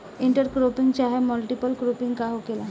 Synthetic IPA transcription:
iɳʈəɾkɾopiŋɡt͡ɕaɦeməlʈipəlkɾopiŋɡkaɦokela

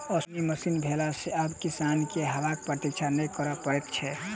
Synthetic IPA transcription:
ɔsniməsinbʱelaseabkisankeɦəʋak̚pɾət̪ikt͡ʃʰanəjkəɾəpəɾɛt̪t͡ʃʰɛ

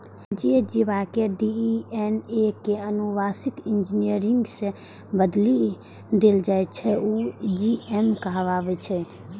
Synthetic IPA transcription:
d͡ʒid͡ʒiβakeɖienekeənubasikind͡ʒinijəɾiŋɡsẽ | bəd̪li | d̪eld͡ʒajtt͡ʃʰɛud͡ʒiemkəɦβaβɛt͡ʃʰɛ

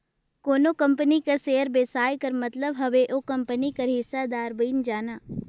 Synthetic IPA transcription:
koːnokɐ̃mpənikaseːəɾbeːsaːjkɐɾmɐt̪ləbɦɐʋeʔokɐ̃mpənikɐɾɦɪsːad̪aːɾbiːnd͡ʒaːnaː

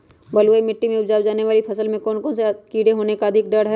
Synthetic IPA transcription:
bɐluemɪʈːimẽʊbd͡ʒaːwd͡ʒaːneʋaːlipʰɐsəlmẽkɔːnkɔ̃ːnsekiːɽeɦoːnekaɐd̪ʱɪk̚ɖɐɽɦɛ

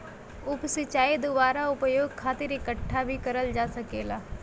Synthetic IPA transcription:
ʊpsɪt͡ʃaːid̪obaːɾaʊpjoːɡ̚kʰaːt̪ɪɾɪkəʈʰːabʱikɐɾəld͡ʒaːsɐkeːlaː

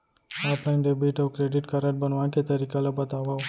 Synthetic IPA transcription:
ɔːplajnɖebiʈɔwkɾeɖiʈkəɾəʈ̚bənʋãket̪əɾikalabət̪aʋaw

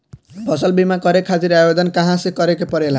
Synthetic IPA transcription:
bʌsʌlbimakʌɾekʰad͡ziɾajodʌnkaɦãsekʌɾekepʌɾela

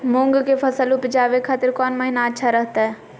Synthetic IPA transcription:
mʊ̃ŋɡkefʰɐsəlʊpd͡ʒaːʋekʰaːt̪ɪɾkɔːnməɦɪnaətːʃʰaɾəɦt̪aɦɛː

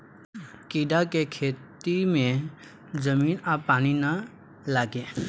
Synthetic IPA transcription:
kiɖakekʰet̪ime | d͡zəminapanina | laɡe

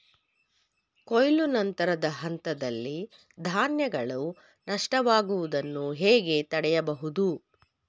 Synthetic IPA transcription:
kojlunɐnt̪ɐɾɐd̪ɐɦɐnt̪ɐd̪ɐlːi | d̪ʱaːnjɐɡɐɭu | nɐʂʈɐʋaːɡuʋud̪ɐnːuɦɛːɡe̞t̪ɐɽɛjɐbɐɦud̪u

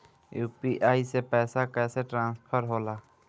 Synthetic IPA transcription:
juːpiʔaːisepɛːsakɛːseʈɾãːnspʰəɾɦoːlaː

